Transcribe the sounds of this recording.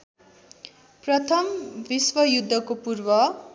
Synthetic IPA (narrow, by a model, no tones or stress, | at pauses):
prʌt̪ʰʌmbiswʌjud̪ʱːʌkopurbʌ